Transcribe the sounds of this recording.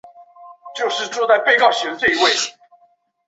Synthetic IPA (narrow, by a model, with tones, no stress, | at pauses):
t͡ɕjo˥˧ʊʂɻ̩˥˨ʈ͡ʂwt͡sa˥˧ɪpe˥˧ɪkɑ˥˩ʊɕɥɛ˧˥t͡swe˥˧ɪ˧˥we˥˩ɪ